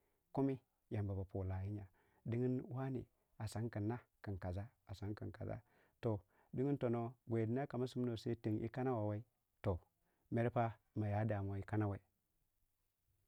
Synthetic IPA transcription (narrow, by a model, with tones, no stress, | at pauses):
ku˦mi˦ | ja˨mba˨ba˨po˨la˨ji˦ɲa˨ | di˦ŋi˦nwa˦nḭ˨ | a˨sa˦ŋki˨nːa˦ki˨ka˨za˦ | a˨sa˦ŋki˨nka̰˨za̰˦ | to˨ | di˦ŋi˦to˨no˦ɡʷe˨di˦na˦ka˨ma˦su˦m˦no˨se˦ti˨ŋʔḭ˦ka˦na˦wa˨wa˦i˦ | to˨ | me˦ɾpa˦ | ma˨ja˨˦da˨m˨o˨i˦ka˦na˦wa˨i˨